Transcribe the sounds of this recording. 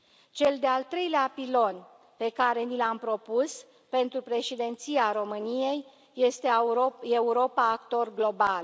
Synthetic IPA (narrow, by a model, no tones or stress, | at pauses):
t͡ʃe̞ld̪ealt̪ɾe̞jleapilo̞n | pe̞kaɾe̞nilampɾo̞pus | pe̞nt̪ɾupɾe̞ʃid̪e̞nt̪siaɾo̞mɨnije̞jː | e̞st̪e̞euɾo̞paːkt̪o̞rɡlo̞bal